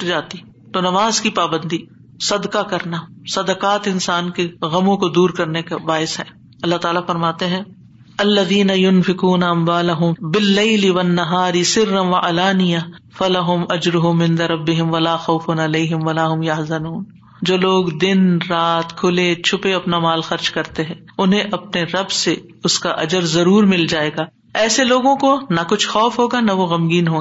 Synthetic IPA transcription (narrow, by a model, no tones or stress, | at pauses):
ʈd͡ʒaːt̪i | t̪oːnɐmaːzkipaːbə̃nd̪iː | sɐd̪kakɐɾnasɐd̪əkaːt̪ɪ̃nsaːnkeɣɐmõkod̪uːɾkɐɾnekabaːɪsɦɛː | ɐlːaɦt̪aːlafɐɾmaːt̪eɦɛ̃ː | ɐlːɐðiːnɐjʊnfɪkuːnaɐmwaːlɐɦʊmbɪlːeɪlɪʋɐnːɐɦaːɾɪsɪɾːɐnʋɐʔɐlaːnɪjafɐlɐɦʊmɐd͡ʒɾʊɦʊmɪ̃nd̪ɐɾɐbːɪɦɪ̃mʋɐlaːxɐːfʊnɐleːɦɪmʋɐlaːɦʊmjɐɦzɐnuːn | d͡ʒoːloːɡd̪ɪnɾaːt̪kʰʊlet͡ʃʰʊpeɐpnamaːlxɐɾd͡ʒkɐɾt̪eɦɛ̃ːʊnɦẽʔɐpneɾɐbse | ʊskaʔɐd͡ʒəɾzɐɾuːɾmɪld͡ʒaːeːɡaː | ɛːseloːɡõkonɐkʊt͡ʃʰxɔːfɦoːɡanɐʋoɣɐmɡiːnɦoːɡː